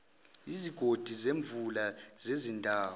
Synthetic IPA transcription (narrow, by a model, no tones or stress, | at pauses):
iziɡ̥ʱod̥ʱizeɱbvʱulazezindʱaːw